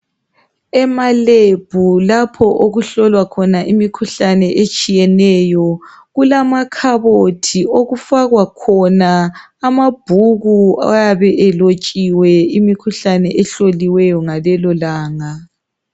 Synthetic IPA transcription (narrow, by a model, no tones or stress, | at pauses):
ɛmaleb̥ʱulapʰɔʔoɣuɬɔlwakʰɔnaʔimikʰuɬanɛʔet͡ʃʼijɛnɛjɔ | ɣulamakʰaβotʰioɣufaɣwakʰɔnaː | mab̥ʱuɣua̰jaβɛʔɛlot͡ʃʼiwɛimikʰuɬanɛʔɛɬoliwɛjɔŋalɛlɔlaːŋa